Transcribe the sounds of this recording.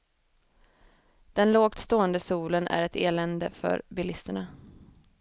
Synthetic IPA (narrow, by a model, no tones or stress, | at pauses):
d̪̥ɛnloːɡ̚t̪st̪oːənd̪əsuːlənʔæ̰ɾɛt̪eːlɛnd̪əfœ̰ɾbɪlɪst̪əɳa